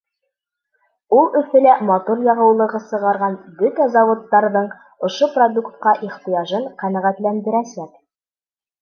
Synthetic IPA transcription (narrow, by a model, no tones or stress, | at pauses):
ulˠɵ̆fɘ̆læmɑt̪uɾjɑʁɤ̆wlˠɤ̆ʁɤsɤ̆ʁɑɾʁɑnbɵt̪æzɑwŏt̪ːɑɾðɤɴ | ŏʃoprod̪ukt̪qɑʔiχt̪ijɑʒɤɴqænæʁæt̪lænd̪ɘ̆ɾæsæk